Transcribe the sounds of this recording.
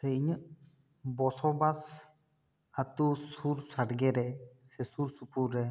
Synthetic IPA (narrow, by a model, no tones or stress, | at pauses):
sejɲəʔ | bɔsɔbas | at̪usuɾsaʈɡɛɾɛ | sɛsuɾsupʰuɾɾɛ